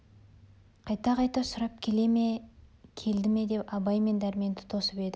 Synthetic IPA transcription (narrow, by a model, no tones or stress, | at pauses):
qʰɑjt̪ɑqɑjt̪ɑsʊɾɑp̚kʲʰe̞le̞mekʲʰe̞ld̪ɪme̞d̪e̞pɑbɑjme̞nd̪æɾme̞nt̪ʰɪ̥t̪ʰo̞səpe̞d̪ɪ